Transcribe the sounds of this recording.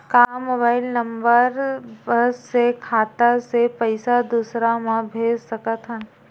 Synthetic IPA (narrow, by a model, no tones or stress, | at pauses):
kaːmoːbaːɪlnə̃mbəɾbəːekʰaːt̪asepəɪsad̪uːsɾamãbʱeːd͡ʒsɐkət̪ɦən